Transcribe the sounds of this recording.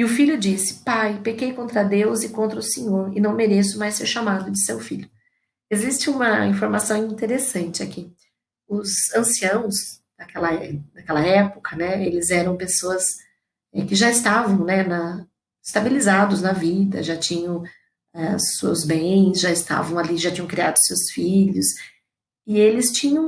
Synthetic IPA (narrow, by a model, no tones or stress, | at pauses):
ɪʊfiʎʊd͡ʒisɪ̥pajpekejkõnt̪ɾɐd̪ewzɪkõnt̪ɾɐʊsẽɲoɾɪnɐ̃w̃meɾesʊmajseɾʃamad̪ʊd͡ʒɪsewfiʎʊ | ezist͡ʃɪũmɐĩfoɾmasɐ̃w̃ĩnt̪eɾesɐ̃nt͡ʃɪaki | ʊzɐ̃siɐ̃w̃sd̪̥ɐkɛlɐɛd̪ɐkɛlɐɛpʊkʰɐnɛelɪzɛɾɐ̃w̃pesoɐs | ɛkɪʒaɪst̪avɐ̃w̃nɛnɐ | ɪst̪abilizad̪ʊznɐvid̪ɐ̰ʒat͡ʃĩɲɐ̃w̃ | ɛsuzbẽjj̃sʒaɪst̪a̰vɐ̃w̃aliʒat͡ʃĩɲɐ̃w̃kɾiad̪ʊsewsfiʎʊs | ɪelɪst͡ʃĩɲɐ̃w̃